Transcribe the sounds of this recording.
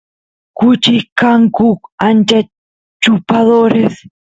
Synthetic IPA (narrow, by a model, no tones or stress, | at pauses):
kʊt͡ʃikaŋkʊkant͡ʃa | t͡ʃupaðoɾes